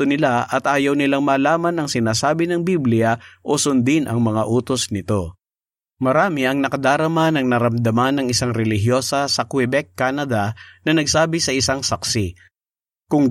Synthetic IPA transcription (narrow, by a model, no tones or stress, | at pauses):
onɪlaʔɐt̪ʔaːjɐwnɪlaŋmaːlaːmɐnɐŋsɪnaːsaːbɪnɐŋbiblɪjaʔosʊnd̪ɪnʔɐ̰ŋmɐŋaʔuːt̪osnɪt̪o̞ | mɐɾaːmɪʔɐŋnɐkɐd̪aːɾɐmanɐŋnɐɾɐmd̪ɐmanɐŋɪsaŋɾɛlɪɦjo̞ːsɐsɐkwɛbɛkːanɐd̪ɐnɐnɐɡsaːbɪsɐɪsaŋsɐksɪ | kʊŋ